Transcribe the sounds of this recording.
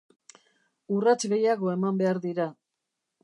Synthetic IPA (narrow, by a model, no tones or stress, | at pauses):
urat͡sɣe̞jaɣo̞e̞mambe̞aɾðiɾa